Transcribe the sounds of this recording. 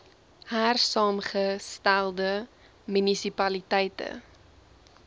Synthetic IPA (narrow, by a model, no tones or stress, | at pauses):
hærsɑːmχəstælˠdə | mynisipɐlitɛjtə̰